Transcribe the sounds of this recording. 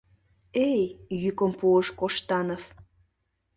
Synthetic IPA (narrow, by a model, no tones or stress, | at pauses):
ejjykəmpuəʃkoʃt̪ɑnəf